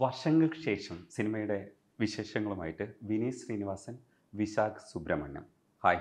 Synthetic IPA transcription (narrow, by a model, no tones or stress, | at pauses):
ʋɐrʂɐŋɡɐlʂe̞ːʂɐmsinimɐjuɽe̞ | ʋiɕe̞ːʂɐŋːɐɭumaːjiʈːɨʋiniːsriːniʋaːsɐn | ʋiɕaːksubɾɐmɐ̰ɳːɐ̰m | hɐj